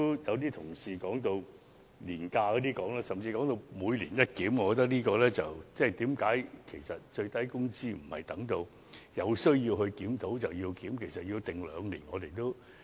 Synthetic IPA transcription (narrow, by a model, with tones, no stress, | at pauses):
jɐ˨˧wt̪̬iː˥t̪ʰʊ˨˩ŋsiː˨˧kɔː˨˥ŋt̪o˧w | liː˨˩nkaː˧kɔ˨˧˥t̪iː˥kɔː˨˥ŋlaː˥sɐ˨mt͡siː˧kɔː˨˥ŋt̪o˧wmuː˨˧jlḭː˨˩njɐ˥t̚kiː˨˥mŋɔː˨˧ɔ˧t̪̬ɐ˥k̚liː˥kɔː˧lɛː˥t͡sɐ˨˩wt͡sɛː˥˩jt̪iː˨˥mkaː˨˥jkʰe˨˩jsɐ˨˩t̚t͡ʃɵ˧ɥt̪ɐ˥jkʊ˥ŋt͡siː˥m̩˨˩hɐ˨jt̪ɐ˨˥ŋt̪o˧w | jɐ˨˧wsɵ˥ɥjiː˧whɵ˧ɥkiː˨˥mt̪o˨˥wt͡sɐ˨˩wjiː˧wkiː˨˥mkʰe˨˩jsɐ˨t̚ji˧wt̪ɪ˨˩ŋlœː˨˧ŋlḭː˨˩nŋɔː˨˧t̪e˨jt̪o˥w